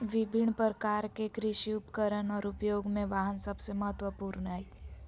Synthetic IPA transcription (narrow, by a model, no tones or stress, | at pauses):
ʋɪbʱɪɳːpəɾəkaːɾkekɾɪʃiʊpkəɾənɔːɾʊpjoːɡmẽʋaːɦənsəbseməɦət̪wəpuːɾnaːi